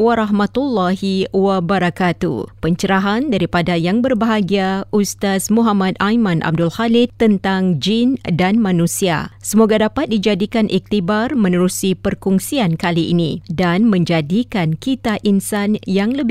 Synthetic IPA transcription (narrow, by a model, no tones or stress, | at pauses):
waɾaɦmãt̪ulːaɦiwabəɾakat̪ṵpəɲt͡ʃəɾaɦandaɾipadajaŋbərbaɦaɡiaust̪asmuɦamãt̪̚ajmãnʔa̰b̚dulhalɪtt̪ːənt̪aŋd͡ʒindanmãnũsia̰səmoɡadapat̪̚did͡ʒadikanʔik̚t̪ibarmə̃nəɾusipərkuŋsiankaliʔinĩdanmə̃ɲd͡ʒadikankit̪aʔinsanjaŋləb